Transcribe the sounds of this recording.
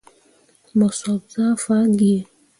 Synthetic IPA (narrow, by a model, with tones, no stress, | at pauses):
mɔ˨sɔ˨bza˦fa˦ɡi˦e˨